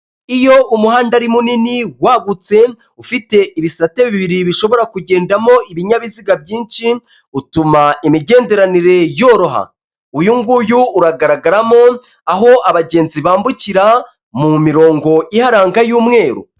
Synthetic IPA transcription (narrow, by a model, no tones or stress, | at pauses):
ijo̞ʔumuɦaːndaɾimuniniwaːɡut͡se̞ | ufite̞ʔiβisateβiiβiɾiβiʃo̞βo̞ɾakuɟe̞ːndamo̞iβiɲaβiziɡabɟiːnʃi | utumaimiɟe̞ːnde̞ɾaniɾe̞jo̞ːɾo̞ɦa̰ | ujuŋɡujuːɾaɡaɾaɡaɾamo̞ | aɦo̞aβaɟe̞ːnziβaːmbuciɾa | mumiɾo̞ːŋɡo̞ihaɾaːŋɡajuːmŋe̞ːɾo̰